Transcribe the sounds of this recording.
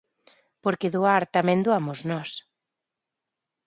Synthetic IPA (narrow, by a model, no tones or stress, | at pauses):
poɾkeðuaɾt̪amɛ̃nd̪uamʊznɔs